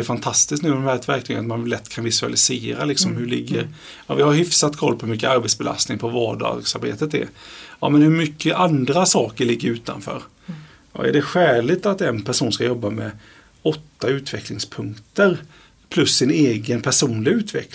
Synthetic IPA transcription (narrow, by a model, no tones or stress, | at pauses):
ɛɾfant̪ʰast̪ɪsknʉːɛmhæːɾɛt̪væɾkt̪ʰyːɡənat̪manlɛt̪ːkʰanvɪsʉa̰lɪseːɾalɪksɔmhɵɭɪ̰ɡːəɾ | ɑvɪhaɾhʏfsat̪kʰɔlːpʰɔmʏkːəaɾbɛt̪sbɛla̰st̪nɪŋpʰɔvɑːɖɑ̰ːɡsaɾbḛːt̪ət̪ɛ̰ɾɑ̰ːmɛnhɵɾmʏkʰːəʔand̪ɾasɑːkəɭɪɡːəɾʉ̟ːt̪a̰nfœ̰ːɾ | ɑ̰æ̰ɖɛɧæːɭɪt̪at̪ɛnpʰæʂuːnskajɔbːamɛ | ɔt̪ːaʉ̟ːt̪ʰvɛklɪŋspʰɵŋkt̪əɾ | pʰlɵsːɪneːɡənpʰæʂuːnlɪʉ̟ːt̪ʰvɛ̰k